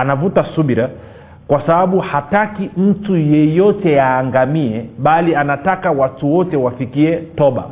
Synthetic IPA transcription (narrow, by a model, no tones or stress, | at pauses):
anavutasuɓiɾa | kwasaɓaɓuhatakim̩tujɛjɔtɛjaːŋɡamiɛɓalianatakawatuwɔtɛwafikiɛtɔɓa̰